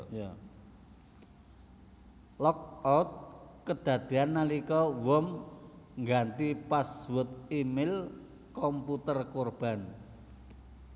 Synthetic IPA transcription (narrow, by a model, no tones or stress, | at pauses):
ja | lɔk̚ɔt̪̚kəd̪̥ä̤d̪̥e̤anːalikɔwɔmŋɡant̪ipaswʊt̪̚imɪl | kɔmput̪ərkorb̥a̤n